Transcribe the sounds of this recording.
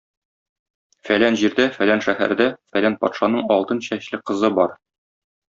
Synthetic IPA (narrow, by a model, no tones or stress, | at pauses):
fælænʑiɾd̪æfælænʃæhæ̰ɾd̪æfælænpɒ̰t̪ʃɑnɤɴɒlˠt̪ɤnɕæɕlɘqɤ̆zɤbɒɾ